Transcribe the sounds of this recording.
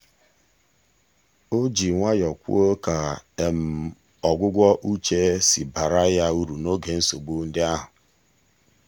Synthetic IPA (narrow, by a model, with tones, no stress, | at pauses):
o˦d͡ʒi˨ŋʷa˦jɔ˨kʷṵ˦o˦ka˨e˨m̩˨ | ɔ˨ɡʷʊ˦ɡʷɔ˦ʔu˦t͡ʃe˦si˨ba˨ɾa˦ja˦u˦ɾu˨no˦ɡe˨n̩˦so˨ɡ͡bu˦n̩˦dɪ˦a˦ɦʊ˨